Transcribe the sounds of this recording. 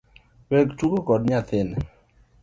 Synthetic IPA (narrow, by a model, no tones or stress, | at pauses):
wɛktukokɔdɲat̪ɪn